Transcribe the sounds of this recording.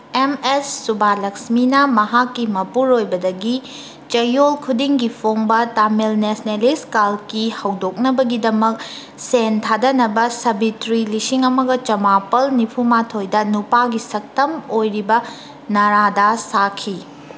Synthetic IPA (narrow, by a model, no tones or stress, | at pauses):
emesːubalɐksminɐmɐɦakːimɐpuɾojbɐdɐɡi | t͡ʃɐjolkʰudiŋɡipʰoŋbɐtamelnesneliskalkihɐwdok̚nɐbɐɡidɐmɐk̚ | sentʰadɐnɐbɐsɐbitɾilisiŋɐmɐɡɐt͡ʃɐmapɐlnipʰumatʰojdɐnupaɡisɐk̚tɐmojɾibɐ | nɐɾadasakʰi